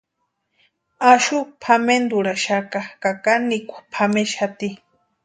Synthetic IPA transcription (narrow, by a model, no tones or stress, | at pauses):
aʃupʰamend̪uɾaʃakakakanːikʷḁpʰameʃat̪i